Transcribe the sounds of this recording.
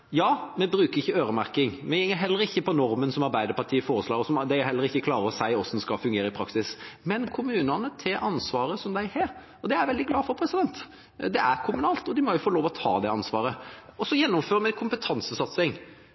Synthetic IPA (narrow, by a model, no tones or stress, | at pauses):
jɑːmɛbɾʉːkəɾɪçːəøːɾəmæɾkɪŋmɛɪŋːəɾɦɛlːəɾɪçːəpɔnɔɾmənsɔmɑɾbæɪd̪əɾpɑt̪ʰiːəfoːɾəslɑːɡɔsɔmd̪æɪæhɛlːəɾɪçːəkʰlɑːɾəɔsæɪɔsɔd̪nskɑfʉŋɡeːɾəɪpʰɾɑksɪsmɛnkʰʊmʉːnɑnət̪ʰɪlʔɑnsʋɑːɾəsɔmd̪æɪhɛ | ɔd̪ɛæɾʋɛld̪ɪɡlɑːfɔɾpʰɾɛsɪd̪ɛnt̪ | d̪ɛæɾkʰʊmʉnɑːlt̪ɔd̪ɪmɔjʊfoːloːʋɔt̪ʰɑ̰ːd̪ɛɑnsʋɑːɾəɔsɔjɛnːʊmføːɾəmɛkʰʊmpət̪ʰɑnsəsɑt̪sɪŋ